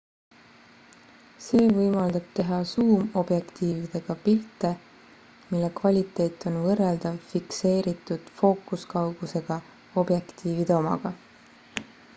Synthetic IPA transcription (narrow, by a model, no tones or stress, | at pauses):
se̞ːvɤjmɑld̪̥ɑb̥̚t̪e̞ɦɑsuːmo̞b̥je̞kt̪iːvid̪̥e̞ɡ̥ɑpilt̪ːˑe̞ | milːe̞kvɑlʲit̪ːˑe̞ːt̪ːˑo̞nvɤrːeld̪̥ɑvfikse̞ːɾit̪ːˑud̪̥fo̞ːkˑuskɑwɡ̥use̞ɡ̥ɑ | o̞bje̞kt̪iːvid̪eomɑ̰ɡ̥ɑ